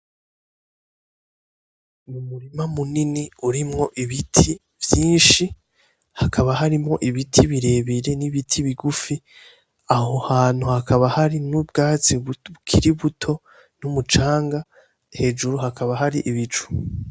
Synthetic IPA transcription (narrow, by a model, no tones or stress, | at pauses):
mumuɾimamuniniuɾimŋo̞ʔiβitʰi | vjiːnʃi | hakʰaβaɦaɾimŋo̞ʔiβitʰiβiɾe̞βiɾe̞niβitʰiβiɡufi | aho̞haːn̥huhakʰaβahaɾinubɡaːt͡siukʰiɾiβutʰo̞ | numut͡ʃaːŋɡa | he̞ːd͡ʒuɾuɦakaβaɦaɾiʔiβit͡ʃu̥